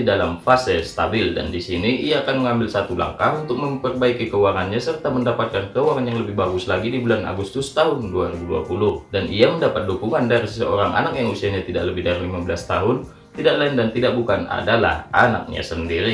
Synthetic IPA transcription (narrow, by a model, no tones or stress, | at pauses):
idalamfasɛst̪abɪlda̰ndisiniʔiaːkanməŋambɪlsat̪ula̰ŋkaɦunt̪ʊk̚məmpərbaikikəuwaŋanɲasərt̪aməndapat̪̚kankəuwaŋanjaŋləbɪhbaɡʊslaɡidibulana̰ɡust̪ʊst̪aɦʊnduaɾibudua̰pulʊhdanʔiaməndapat̪̚dukuŋandaɾisəsəoɾaŋʔa̰nak̚jaŋusiahɲat̪idaʔləbɪhdaɾilimabəlast̪aɦʊn | t̪idaʔlaɪndant̪idak̚bukana̰dala̰hʔa̰na̰k̚ɲa̰səndiɾi